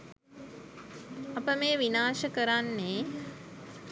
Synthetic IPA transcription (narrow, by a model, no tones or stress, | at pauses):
ɐpəmeːʋinaːʃəkəɾanːeː